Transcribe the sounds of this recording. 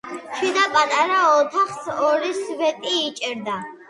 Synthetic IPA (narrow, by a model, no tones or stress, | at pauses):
ʃʰwid̪apʼat̪ʼaɾaɔt̪ʰaχsɔɾisvɛt̪ʼiːt͡ʃʼɛɾd̪a